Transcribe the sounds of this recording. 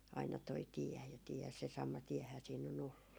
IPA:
ɑinɑ toi tiɛ jɑ tiɛ se sɑmɑ tiɛhæː siːn on olːu

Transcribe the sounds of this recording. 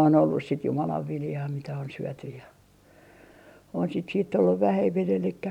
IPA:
on olːus sit jumɑlɑʋ ʋiljɑː mitæ on syøtyj jɑ on sit siːtː olːuʋ ʋæhemːin elikːæ

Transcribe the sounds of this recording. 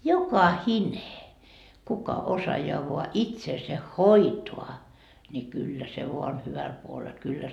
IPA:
jokɑhine kukɑ osɑjɑː ʋoɑ itseːse hoitoɑ nʲi kylːæ se ʋoɑ on hyʋæl puolel kylːæ

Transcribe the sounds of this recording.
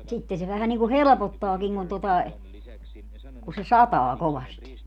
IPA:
sitːe se ʋæhæn niŋku helĕpotːɑːkiŋ kun totɑ e ku se sɑtɑː koʋɑsti

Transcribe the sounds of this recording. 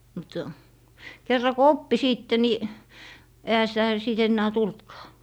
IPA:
mut kerːɑ ko opːi siːtːe ni ehæ sitæ siˑt enːæː tultkɑː

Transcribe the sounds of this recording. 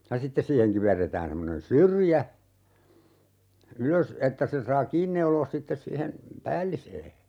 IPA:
jɑ sitːes siːheŋ kiʋerːetæːn semːonen syrjæ yløs etːæ sen̞ sɑː kiːn neuloːs sitːes siːhen pæːlːiseː

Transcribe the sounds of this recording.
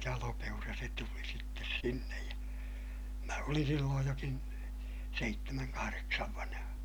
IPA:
jɑlopeurɑ se tuli sitːes sinːej jɑ mæ olin silːoːj jokin seitːemæŋ kɑhɑreksɑʋ ʋɑnɑ̆hɑ

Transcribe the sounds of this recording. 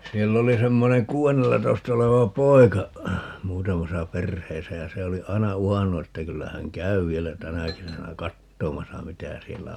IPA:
sielː oli semːoneŋ kuːenːelːɑtoistɑ oleʋɑ poi̯kɑ muːtɑmɑsɑ perheːsæ jɑ se oli ɑi̯nɑ uhɑnːu etːæ kylːæ hæŋ kæy ʋielæ tænæ kesænæ kɑtːomɑsɑ mitæ sielːæ

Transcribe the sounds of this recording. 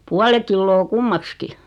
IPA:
puɑle kilːoː kumːɑkski

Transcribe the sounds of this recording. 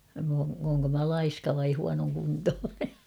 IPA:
m oː oːŋko mæ lɑiskɑ ʋɑi huɑnoŋkuntoːne

